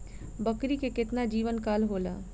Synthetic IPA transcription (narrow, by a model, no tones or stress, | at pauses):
bəkɾikekɪt̪nad͡ʒiːʋənkaːlɦoːla̰ː